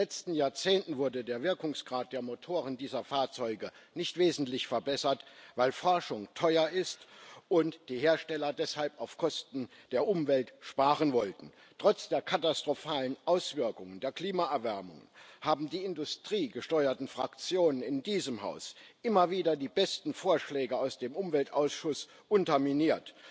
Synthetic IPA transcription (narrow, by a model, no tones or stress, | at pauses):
lɛt͡stn̩jaːɐt͡seːntn̩vʊɐdədeːɐvɪɐkʊŋsɡ̥ʁaːt̚d̥eːɐmotʰoːʁəndiːzɐfaːɐt͡sɔʏɡənɪçtv̥eːzn̩tlɪçfɛɐbɛsɐtvaɪlfɔɐʃʊŋtʰɔʏɐʔɪstʔʊntd̥iːheːɐʃtɛlɐdɛshalpaʊfkʰɔstn̩d̥eːɐʔʊmvɛltʃpaːʁənvɔltn̩ | tʁ̥ɔt͡sd̥eːɐkʰatastʁ̥ofaːlənʔaʊsv̥ɪɐkʊŋəndeːɐkl̥iːmaʔɛɐvɛɐmʊŋənhaːbm̩diːɪndʊstʁ̥iːɡəʃtɔʏɐtn̩fʁ̥akt͡sjoːnənɪndiːzəmɦa̰ʊsʔɪmɐviːdɐdiːbɛstn̩foːɐʃlɛːɡəaʊsd̥eːmʔʊmvɛltʔaʊsʃʊs | ʔʊntɐminiːɐt